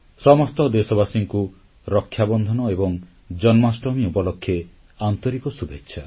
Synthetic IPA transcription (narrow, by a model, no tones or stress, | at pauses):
sɔmɔst̪ɔd̪esɔbasiŋku | ɾɔkʰːjabɔnd̪ʱɔnɔebɔŋ | d͡ʒɔnmasʈɔmiupɔlɔkʰːje | ant̪ɔɾikɔsubʱetːʃʰa